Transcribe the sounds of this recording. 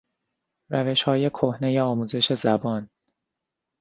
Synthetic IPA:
ræve̞ʃhɒːje̞kʰohne̞jeɒːmuːze̞ʃe̞zæbɒːn

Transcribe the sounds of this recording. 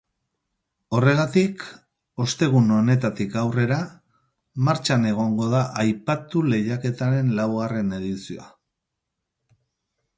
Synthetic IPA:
o̞re̞ɣ̞at̪ik | o̞st̪e̞ɣ̞uno̞ne̞t̪at̪ikawre̞ɾa | maɾt͡ʃane̞ɣ̞o̞ŋɡo̞ðaʔajpat̪ule̞ʝake̞t̪aɾe̞nlawɣare̞ne̞ðisioa̰

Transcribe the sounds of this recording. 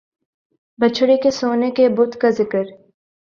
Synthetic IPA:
bɐt͡ʃʰɽekesoːnekebʊd̪kazɪkəɾ

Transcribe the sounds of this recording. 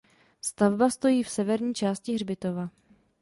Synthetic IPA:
st̪avbast̪o̞jiːfsɛvɛɾɲiːt͡ʃaːscɪɦrbɪt̪o̞va

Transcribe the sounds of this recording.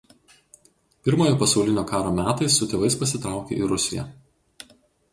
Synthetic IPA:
pʲɪɾmoːjoːpɐsɒʊlʲɪnʲoːkɑːɾoːmʲæːt̪ɐɪsːʊt̪ʲeːʋɐɪspɐsʲɪt̪ɾɑˑʊkʲḛːʔiɾʊsʲɪjɛ̰

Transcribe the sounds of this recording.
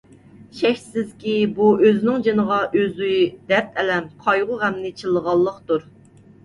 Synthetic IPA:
ʃɛçʲsɪzkʲibuøzɪnɪŋd͡ʒenəʁɑʔøzyd̪ɛɾt̪ʰɛlɛmqʰɑjʁʊʁɛmnɪt͡ʃʰɨlˠəʁɑlˠːəqt̪uɾ

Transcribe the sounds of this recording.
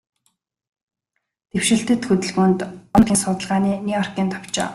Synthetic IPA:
t̪ewʃɪ̆ɬt̪ɘ̆t̪xɵt̪ɘ̆ɮɣuːnt̪ʊmt̪ʰʲiːnsʊt̪ə̆ɮʁaːniːnijɔrkiːnt̪ʰɔ̥w̥t͡ɕɔ̰ː

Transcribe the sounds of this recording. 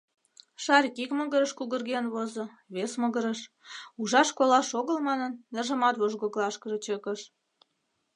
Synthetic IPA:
ʃɑɾʲkikməɣəɾəʃkuɣərɣenβozɤ̆ | βesməɣəɾəʃ | uʒɑʃkolɑʃoɣəlmɑnənːerʒə̆mɑt̪βoʒɣoklɑʃkəʒə̆t͡ɕəkəʃ

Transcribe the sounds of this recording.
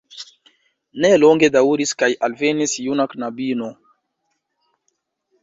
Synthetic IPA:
neloŋɡed̪auɾiskajalvenisjunaknabino

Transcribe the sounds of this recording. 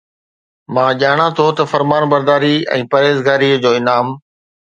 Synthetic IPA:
mãːʄaːɽ̃at̪ʰot̪ɐfɐɾmaːnbɐɾd̪aːɾiɛ̰̃ːpɐɾeːzɡaːɾid͡ʑoːɪnaːm

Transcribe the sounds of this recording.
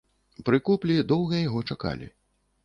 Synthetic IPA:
pɾɨkuplʲid̪ɔwˠɣɐjaɣɔt͡ʂaka̰lʲḭ

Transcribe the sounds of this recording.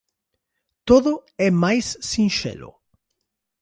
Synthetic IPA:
t̪oðʊɛmajsːĩnʃɛ̰lʊ̰

